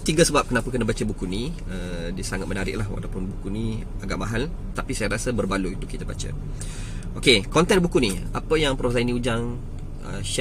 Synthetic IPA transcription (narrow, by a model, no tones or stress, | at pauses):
t̪iɡasəbap̚kənapakənabat͡ʃabukuni | ədiəsaŋat̪mənaɾɪ̰ʔlahwa̰lawpʊnbukuni | aɡaʔmaɦal | t̪apisajaɾasabərbaluit̪ukit̪aba̰t͡ʃa̰ | okekɔnt̪ɛnbukuniapəjaŋpɾosainiud͡ʒaŋ | ə̰ʃ